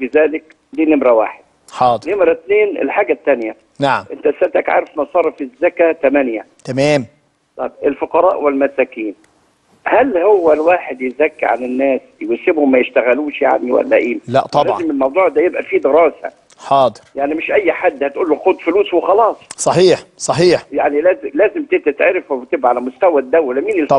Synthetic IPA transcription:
bɪzæːlɪk | liːnɪmɾæwa̰ːħed̪̚ | ħɑːd̪nemɾæt̪neːnʔḛlħaːɡæt̪ːænjæ | naʕmʔent̪æsæt̪ækʕa̰ːɾefmɑsˤɑrˤːɑfɪzːækæt̪æmænjæt̪æmæːm | t̪ˤɑjbʔelfoqɑɾˤɑ̰ːʔwɪlmæsæːkiːn | hælhowːælwaːħed̪jɪzækːiʕa̰nɪnːæːsjwæsɪbhʊmːæjɪʃt̪æɣæluːʃja̰ʕniwæ̰lːæ̰ʔeːlæ̰t̪ˤɑlæːɑzɪmɪlmɑwd̪ˤuːʕd̪æːjebʔæfiːd̪ɪɾɑːsæ̰ | ħɑːd̪ˤɨɾjaʕnimɪʃʔæjːħad̪ːhæt̪ʔuːlːxod̪fʊluːswexɑlɑːsˤsˤɑħiːħsˤɑħiːħjaʕnilæːzɪlæːzɪmt̪ɪt̪ɪt̪ʕeɾɪfwt̪ɪbʔaʕalæmʊst̪æwæd̪ːæwːælːæmiːnɪl

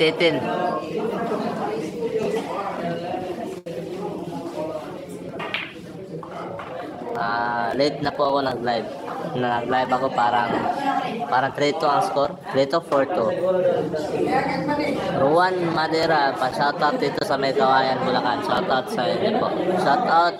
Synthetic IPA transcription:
t̪ɛt̪ɪn | ʔalejt̪̚nɐpoʔɐko̞nɐɡlajb̚ | nɐnɐɡlajbɐko̞paːɾɐŋ | paːɾɐŋt̪ɾɛt̪oɐŋskoɾt̪ɾit̪ofoɹt̪u | ɾuanmɐd̪ɛɾapaʃat̪awt̪̚d̪iːt̪osɐmɐjt̪ɐwaːjɐnkʊlɐkanʃat̪awt̪̚sɐɛnɪpo̰ʔʃat̪awt̪̚

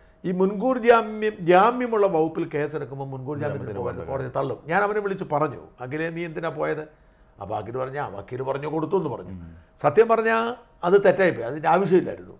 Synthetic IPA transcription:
iːmunɡuːɾd͡ʑaːmjɐmd͡ʑaːmjɐmuɭːɐʋɐwpːilke̞ːseɾɐkːumboːmunɡuːɾd͡ʑaːmjɐt̪inpoːjaːʈːɨkoːɽɐðit̪ɐɭːumɲaːnɐʋɐneʋiɭit͡ɕːupɐrɐɲːṵeŋɡileniːjɐmt̪ːinaːpo̞ːjɐðɨ | a̰ːba̰ːkːijlupɐrɐɲːaba̰ːkːijilɨpɐrɐɲːoːko̞ɽut̪̬ːuenːɨpɐ̰rɐ̰ɲːṵsɐt̪ʰjɐmpɐrɐɲːa | ɐðɨt̪e̞tːaːjipːoːjɐðindeaːʋɐʂ̬jɐmilːa̰ːjiɾunːṵ

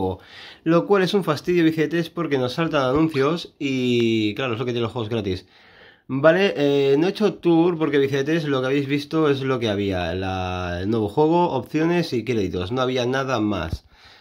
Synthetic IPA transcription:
ɣolo̞kwale̞suɱfast̪iðjo̞βiθeet̪espo̞ɾke̞no̞sːalt̪ananũn̟θjo̞siklaɾoelokejenelxwe̞o̞ɣɾat̪is | baleʔenoet͡ʃo̞t̪uɾpo̞ɾkeβiθeet̪eslo̞keaβejzβist̪oe̞zlo̞ke̞aβ̞ia̰la̰elnwe̞β̞oxwe̞ɣ̞o̞ʔopθjo̞ne̞sikɾeðit̪o̰sno̞aβianað̞ama̰s

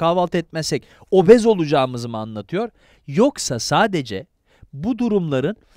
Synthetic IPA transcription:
kaːvalˠt̪ʰɛt̪̚mɛsɛc | o̞bɛzo̞lˠud͡ʒaːmɯzɯmɯanlˠat̪ʰɯjo̞ɾ | jo̞ksasaːd̪e̞d͡ʒɛ | bud̪uɾumlˠaɾɯn

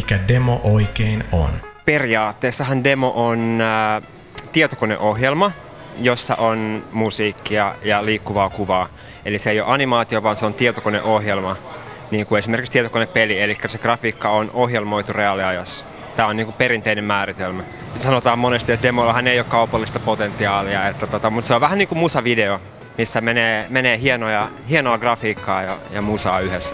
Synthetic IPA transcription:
ikædemoʔoikeino̰nperiɑːt̪ːeːsːɑɦɑndemoʔon | t̪iet̪okonḛʔoɦjelmɑ | josːɑ̰ʔonmusiːkːiɑjɑliːkːuʋɑːkuʋɑː | eliseejoʔɑnimɑːt̪ioʋɑːnseont̪iet̪okonḛʔohjelmɑ | niːŋkuesimerkikst̪iet̪okoneppelielikːæseɡ̥rɑfiːkːɑonʔohjelmoit̪ureɑliɑjɑsːɑ̥ | t̪æːoniːŋkupeɾint̪einemmæːrit̪elmæ | sɑnot̪ɑːmmonest̪iet̪demolːɑhɑnːeijokɑupɑlːist̪ɑpot̪ent̪iɑːliɑet̪ːæt̪ot̪ɑmut̪seoʋʋæhæniːŋkummusɑʋideo | misːæmeneːmeneːhienojɑ | hienoɑɡrɑfiːkːɑːjɑ̰jɑ̰musɑːyhes

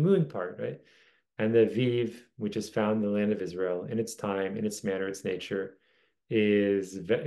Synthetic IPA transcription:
mʉ̃npʰɑ̰ɹt̚ɹa̰ɪt̚ | ɨ̃nðɨvivwɨt͡ʃɨz̥fãʊ̃nðəlæ̃ndʌvɪzɹeɪl̩ˠɪ̰̃nɨtstʰãɪ̃mɨ̰̃nɨtsmænə˞ɨtsneɪt͡ʃə˞ | ɪzv

